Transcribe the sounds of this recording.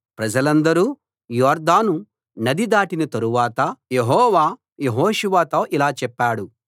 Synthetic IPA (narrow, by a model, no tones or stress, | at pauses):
pɾɐd͡ʒɐlɐnd̪ɐɾuː | jɔːɾd̪aːnu | nɐd̪id̪aːʈinɐt̪ɐɾuʋaːt̪ɐjeɦɔːʋaː | jeɦoːʃuʋaːt̪oːʔilaːt͡ʃɛpːaːɽu